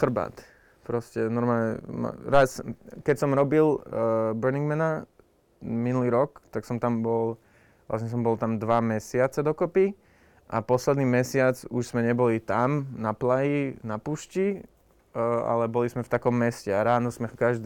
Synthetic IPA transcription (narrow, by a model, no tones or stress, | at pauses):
xr̩ba̰ːt̪ | pɾɔscɛnɔɾmaːlɲɛma̰ɾaskɛcsɔmɾɔbilbɛɾniŋɡmɛna | minuliːɾɔkt̪aksɔmt̪ambɔl | ʋlʔa̰sɲɛs̬ɔmbɔlt̪amd̪ʋamɛsɪat͡sɛd̪ɔkɔpi | ʔapɔslɛd̪niːmɛsɪat͡suʃsmɛɲɛbɔlit̪amnaplajinapuːʃci | a̰lɛbɔlismɛft̪akɔmːɛscɛaɾaːnɔsmɛkaʒd̪